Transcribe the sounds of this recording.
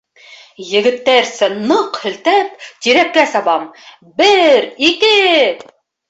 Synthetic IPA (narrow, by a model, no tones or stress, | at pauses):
jɘ̆ɡɘ̆t̪ːæɾsɘnɤqhɵ̆lt̪æp̚t̪iɾækkːæsɑβɑm | bɘɾikɘ